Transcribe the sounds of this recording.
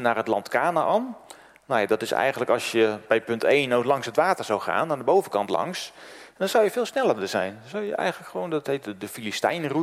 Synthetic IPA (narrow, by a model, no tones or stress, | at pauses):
naːrɦətlɑntkaːnaʔɔm | nojadɔtɪsɛ̰jɣəndələkɑlˠsjəbɛjpɵntejnowklɑŋsɦətʋaːtərzawχa̰ːnaːdəbowvəkɑntlɑ̰ŋsndɔnz̥awjəfɪːlˠsnɛlˠərdəzɛ̰jndɔnzawjə̰ʔɛ̰jχənləkχəʋowndɔtɦetdəfilistɛ̰jnru